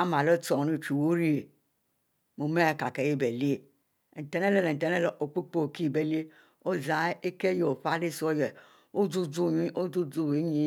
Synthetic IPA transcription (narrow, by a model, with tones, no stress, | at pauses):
a˦ma˨lo˦to˨nu˦˨t͡ʃi˨wo˦ɾi˦˨ | mo˨me˦˨ka˨ke˨je˦˨be˨li˦e˨ | tɛ˨ne˦le˦le˨n̩˨tɛ˨ne˦le˨ʔo˨k͡pi˦k͡po˦˨ki˦˨be˨li˦e˦ | o˦za˨˦e˦ke˦jo˨ɸa˦le˦so˦jɛ˨ | o˦d͡zu˦d͡zu˦˨ɲi˦o˦d͡zu˦d͡zu˦˨we˨˦ɲi˦